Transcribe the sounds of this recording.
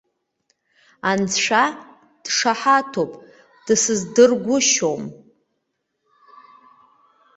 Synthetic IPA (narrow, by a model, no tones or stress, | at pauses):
and͡zʂʷa | d̥ʂaħatʰopʼ | d̥ɨsɨzdɨrɡʷʊʃo̞m